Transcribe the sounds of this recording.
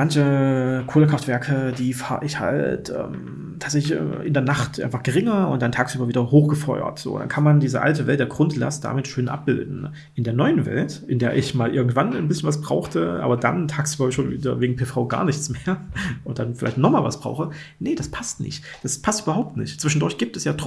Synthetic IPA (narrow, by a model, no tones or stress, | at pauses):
mançəkʰoːləkʁ̥aftv̥ɛɐkʰəd̥iːfaːʔɪçha̰ltʔɛ̰ːm | tʰaːtz̥ɛçlɪç̰ʔɪndeːɐnaχtʔa̰ɪnfaχɡ̥əʁɪŋɐʊntd̥antʰaːksʔyːbɐviːdɐhoːxɡ̥əfɔʏɐ̰tz̥o̰ːd̥a̰nkʰanmandiːzəʔa̰ltəvɛltd̥eːɐɡʁʊntla̰std̥a̰ːmɪtʃøːnʔa̰p̚b̥ɪldn̩ | ʔɪndeːɐnɔʏənvɛ̰ltʔɪndeːɐʔɪçmaːlʔɪɐɡŋ̩tv̥annbɪsçənvas̬b̥ʁaʊxtʰəʔa̰ːbɐda̰ntʰaːksʔyːbɐʃoːnviːdɐ̰veːɡŋ̩pʰeːfaʊɡa̰ːɐnɪçt͡smeːɐʔʊntd̥anfɪla̰ɪçtnɔχmaːlva̰sb̥ʁaʊxə | nəd̥aspʰastnɪ̰çtd̥aspʰastyːbɐɦaʊp̚tnɪ̰çtt͡sv̥ɪʃn̩dʊɐçtɡ̥iːp̚tɛsjaːt